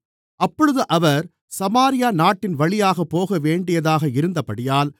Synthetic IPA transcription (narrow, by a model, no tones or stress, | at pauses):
ʔɐpːɔɻɯðɯʔɐʋɐɾ | sɐmaːɾɪjaːnaːʈːɪnʋɐɭɪjaːɣɐpːoːɣɐʋeːɳɖɪjɐðaːɣɐɪɾɯnd̪ɐpɐɽɪjaːl